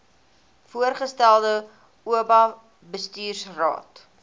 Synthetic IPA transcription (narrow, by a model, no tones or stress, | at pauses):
fuərχəstælˠdə | uəbɐ | bəstyːrsrɑ̰ːt